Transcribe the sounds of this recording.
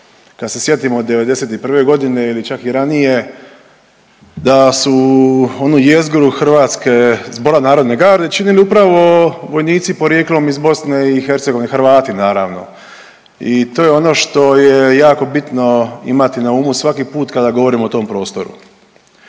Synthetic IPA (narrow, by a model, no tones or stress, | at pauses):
kad̪se̞sje̞t̪imod̪e̞ʋe̞d̪e̞se̞t̪ipr̩ʋe̞ɡo̞d̪ine̞ilit͡ʃakiɾanije | d̪asuo̞nujezɡoɾuxr̩ʋaːt̪ske̞zbo̞ɾanaːɾo̞d̪ne̞ɡaːɾd̪e̞t͡ʃiniliupɾaʋo̞ʋo̞jniːt̪sipo̞ɾje̞ːklˠo̞mizbo̞sneixe̞ɾt̪seɡoinexɾ̩ʋaːt̪inaːɾa̰ʋno̞̰ | it̪o̞ːjeo̞no̞ʃt̪o̞jejaːko̞bit̪no̞ḭmat̪inauːmusʋakipuːt̪kad̪aɡo̞ʋo̞ɾimot̪o̞ːmpɾo̞ːst̪o̞ɾṵ